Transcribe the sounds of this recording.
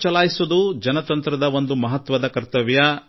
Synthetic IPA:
t͡ʃɐlaːjisud̪ud͡ʒɐnɐt̪ɐnt̪ɾɐd̪ɐʋo̞nd̪umɐɦɐt̪ʋɐd̪ɐkɐɾt̪ɐʋjɐ

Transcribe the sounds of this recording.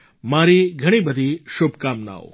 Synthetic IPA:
maɾiɡʱəɽ̃ibəd̪ʱiʃubʱkamna̰o̰

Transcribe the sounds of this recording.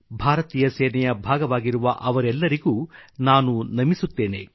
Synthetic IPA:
bʱaːɾɐt̪iːjɐsɛːnɛjɐbʱaːɡɐʋaːɡiɾuʋɐʔɐʋɐɾɛlːɐɾiɡuːnaːnunɐmisut̪ːe̞ːne̞̰

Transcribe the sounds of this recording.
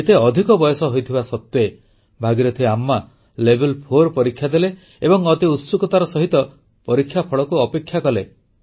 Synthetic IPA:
et̪eɔd̪ʱikɔbɔjɔsɔɦojt̪ʰibasɔt̪ːe | bʱaɡiɾɔt̪ʰieamːa | lebʱelpʰoɾpɔɾikʰːjad̪ele | ebɔŋɔt̪iut̪sukɔt̪aɾɔsɔɦit̪ɔ | pɔɾikʰːjapʰɔɭɔkuɔpekʰːjakɔle

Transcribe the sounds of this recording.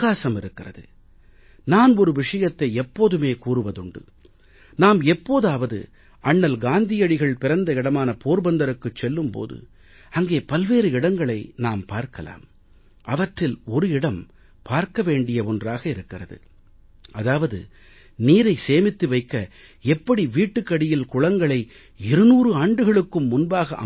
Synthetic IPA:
kːaːsɐmɪɾɯkːɪrɐ̰ðɯ̰ | naːnɔɾɯʋɪʂɐjɐt̪ːɐɪɛpːoːðɯmeːkuːrɯʋɐðɯɳɖɯ̰ | naːmɛpːoːðaːʋɐðɯ̰ | ɐɳːɐlɡaːnd̪ɪjɐɽɪɣɐɭpɪɾɐnd̪ɐɪɽɐmaːnɐpoːɾbɐnd̪ɐɾɯkːɯt͡ʃːɛlːɯmpo̰ːðɯ̰ | ɐŋɡeːpɐlʋeːɾɯɪɽɐŋɡɐɭɐɪnaːmpaːɾkɐla̰ːm | ʔɐʋɐʈrɪlɔɾɯɪɽɐm | pʰaːɾkɐʋeːɳɖɪjɐɔndraːɣɐɪɾɯkːɪrɐðɯ̰ | ɐðaːʋɐðɯ̰ | niːɾɐɪseːmɪt̪ːɯʋɐɪkːɐ | ɛpːɐɽiʋiːʈːɯkːɐɽɪjɪlkʊɻɐŋɡɐɭɐɪ | ɪɾɯnuːɾɯaːɳɖɯɣɐɭɯkːɯmːʊnbaːɣɐʔɐ̰

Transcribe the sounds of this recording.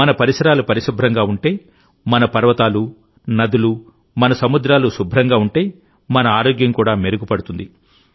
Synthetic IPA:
ɐnɐpɐɾisɐɾaːlupɐɾisubʱɾɐŋɡaːuɳʈe̞ː | mɐnɐpɐɾʋɐt̪aːlu | nɐd̪ulu | mɐnɐsɐmud̪ɾaːlusubʱɾɐŋɡaːuɳʈe̞ː | mɐnɐaːɾoːɡjɐŋkuːɽaːmeɾuɡupɐɽut̪und̪i

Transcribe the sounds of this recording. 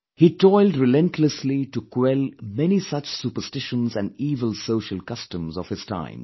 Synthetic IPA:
hiːʈʰɔɪlɖɾɪlɛ̃ntʰləsliʈukwɛlmɛnisʌt͡ʃsuːpəɾstɪʃə̃nzæ̃nɖiːʋəlsoʊʃəlˠkʌstə̃mzɔʋ̥hɪz̥tʰã̰ɪ̃m

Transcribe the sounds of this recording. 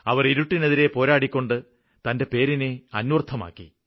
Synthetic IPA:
ɐʋɐriɾuʈːine̞ðiɾe̞po̞ːɾaːɽikʲːo̞ɳɖɨ | t̪ɐnde̞pe̞ːɾineɐnwɐrt̪ʰːɐma̰ːkːḭ

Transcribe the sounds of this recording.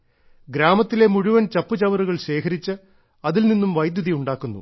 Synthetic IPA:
ɡɾaːmɐt̪ːile̞muɻuʋɐnt͡ɕɐpːɨt͡ɕɐʋɐɾuɣɐɭɕe̞ːkʰɐɾit͡ɕːɨ | ɐðilninːumʋɐjd̪jɐðijuɳɖaːkːunːṵ

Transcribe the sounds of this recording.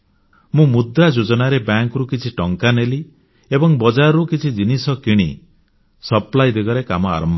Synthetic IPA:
mũmud̪ɾad͡ʒod͡ʒɔnaɾebaŋkɾukit͡ʃʰiʈɔŋkaneli | ebɔŋbɔd͡ʒaɾɔɾukit͡ʃʰid͡ʒinisɔkiɽ̃i | sɔplajd̪eɡɔɾekamɔa̰ɾɔmbʱɔ

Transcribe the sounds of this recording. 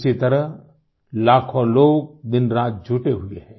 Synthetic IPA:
sit̪ɐɾəɦ | laːkʰõloːɡ̚d̪ɪnɾãːt̪̚d͡ʒʱʊʈeɦʊeɦɛ̃ː

